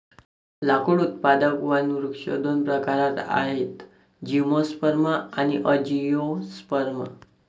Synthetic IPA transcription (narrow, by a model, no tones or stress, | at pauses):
lakuɽut̪pad̪akʋanuɾukʂod̪ʱonpɾəkaɾat̪a̰ɦet̪ | d͡ʑimospəɾməañiʔəd͡ʑijospəɾmə̰